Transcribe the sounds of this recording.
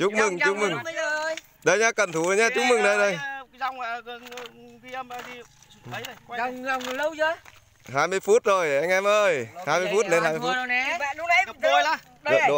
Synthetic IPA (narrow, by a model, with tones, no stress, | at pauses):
t͡ɕʊ˦˥k̚mɨ˨˩ŋʊ˦˥k̚mɨ˨˩ŋ˧ | ɗə˧jɲaː˧kə˨˩nt̪ʰu˨˧˩ə˨˩ɲaː˧t͡ɕʊ˦˥mɨ˨˩ŋɗə˧jɗə˧˩jza˧wŋ͡mɣn˧ki˧ə˧mə˧˨tʰi˨ | ə˨˦˧la˨˩wŋ͡mlə˧wzəː˨˧˦ | ɦaː˧jmɨ˧əjfu˦˥t̚zo˨˩jʔa˧jŋ̟ʔɛ˧mʔəː˧jhaː˧jmɨ˧jfu˦˥t̚le˧nhaː˧jm˧fu˦˥˦ɗʊ˨˦ə˧˨˧ | ɗə̰˨ɗo˨